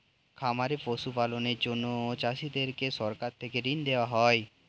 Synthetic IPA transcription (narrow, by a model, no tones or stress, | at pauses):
kʰamaɾepoʃupaloneɾd͡ʑonːoot͡ɕaʃid̪eɾkeʃɔɾkaɾt̪ʰekeɾind̪eoaɦɔe